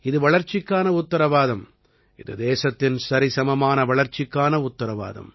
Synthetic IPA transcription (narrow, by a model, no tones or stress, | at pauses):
ɪðɯʋɐɭɐɾt͡ʃɪkːaːnɐʊt̪ːɐɾɐʋaːðɐm | ɪðɯ̰d̪eːsɐt̪ːɪnsɐɾɪsɐmɐmaːnɐʋɐɭɐɾt͡ʃːɪkːaːnɐʊt̪ːɐɾɐʋa̰ːðɐ̰m